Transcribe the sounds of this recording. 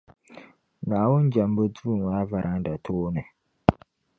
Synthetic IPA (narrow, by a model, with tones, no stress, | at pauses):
naː˨wʊ˦n˦d͡ʒa˨m˦bo˦tu˦u˨ŋaː˦va˨ɾʔa˦ŋ˦da˨tʰoː˦nɨ˨